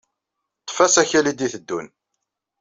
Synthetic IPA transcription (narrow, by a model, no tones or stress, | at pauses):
t̪ːˤfæsæçælid̪iθəd̪ːun